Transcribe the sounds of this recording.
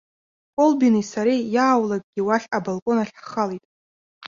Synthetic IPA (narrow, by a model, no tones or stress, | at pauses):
kʼolbinisaɾijaːwlak̚ʼɡʲiwaɬabolkʼo̞naɬχalijtʼ